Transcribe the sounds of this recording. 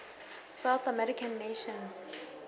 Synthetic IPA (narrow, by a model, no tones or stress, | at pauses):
sawθamɛɹikʰãnːeʃɔ̃ns